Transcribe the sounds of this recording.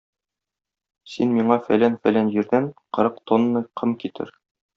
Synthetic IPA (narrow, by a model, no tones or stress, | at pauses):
sinmiɴɑfæ̰lænfælænʑiɾd̪ænqɤ̆ɾɤqt̪onːɤqʰɤmkit̪ʰɘ̰ɾ